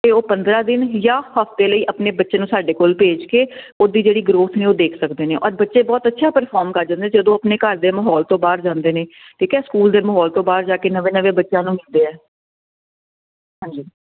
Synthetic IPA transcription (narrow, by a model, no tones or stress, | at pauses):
t̪eːoːpə̃nd̪ɾaːd̪ɪnjaːhəft̪eːləiːʔəpneːbətːʃeːnũːsaːɖeːkoːlpeːd͡ʒkeːoːd̪iːd͡ʒeːɽiːɡɾoːt̪ʰneːoːd̪eːkʰsəkd̪eːnẽːʔɔ̰ːɾbətːʃeːbɔːt̪ətːʃʰaːpəɾpʰɔːɾmkəɾd͡ʒãːnd̪ed͡ʒəd̪õːəpneːkəɾd̪eːməɦɔːlt̪õːbaːɾd͡ʒãːnd̪eːneː | k̪ʰiːkɛːskuːld̪eːməɦɔːlt̪õːbaːɾd͡ʒaːkeːnəʋẽːnəʋeːbətːʃjãːnũːmild̪eːɛː | ɦãːnd͡ʒiː